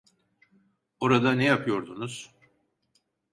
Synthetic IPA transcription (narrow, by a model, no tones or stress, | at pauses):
oɾad̪anɛjapʰɯjo̞ɾd̪unuz̥